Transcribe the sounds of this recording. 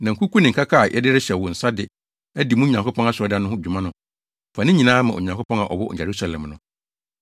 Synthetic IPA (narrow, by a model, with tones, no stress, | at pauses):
nã˨ŋ̩˨kʰu˦kʰu˦nɪ̃˨ŋ̩˨kʰa˦kʰa˦˨jʔɛ̰˦dɪ˦ɾɪ˦ɕɛ˨wʊ˨n̩˨sa˦dɪ˨ | æ˦di˨mũ˦ɲã˨kʰo˦pʰɔ̃˦a˦sɔ˦da˦nʊ̃˦ɦʊ̃˦˨d͡ʑᶣu˨mã˦nʊ̃˨ | fa˨nɪ̃˦ɲĩ˨nãː˦mã˨o̰˨ɲã˨ŋkʰo˦pʰɔ̃˦ŋã̰˨ʔɔ̰˨wʊ˦˨jɛ˨ɾu˦sa˨lɛ̰̃˨m˨nʊ̃˨